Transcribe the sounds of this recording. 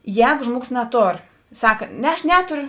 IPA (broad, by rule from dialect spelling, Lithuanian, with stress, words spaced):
ˈjɛːɡʊ ˈʒmuɔˌɡoːs nɐˈtoːr ˈsɑːkɐ ˈnʲɛ ˈɐʃ ˈnʲæːtʊrʲʊ